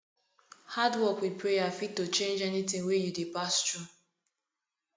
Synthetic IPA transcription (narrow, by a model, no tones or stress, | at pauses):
hadwɔkwipʰɹejafit̚tːot͡ʃẽnd͡ʒɛnitɪ̃ŋwejudepastɹu